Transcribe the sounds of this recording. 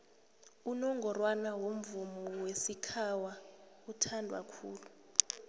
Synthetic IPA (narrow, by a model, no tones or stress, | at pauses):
unɔŋɡʱɔrwanawom̩vumɔɔwesikʰawa | utʰandʱwa̰kʰṵːlu